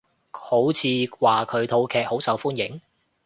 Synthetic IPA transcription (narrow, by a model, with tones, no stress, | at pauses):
ho˨˥wt͡sʰiː˨˧waː˨kʰɵ˨˧ɥt̪ʰo˨˧wkʰɛː˨k̚ho˨˥wsɐ˨˧wfuː˥njɪ˨˥ŋ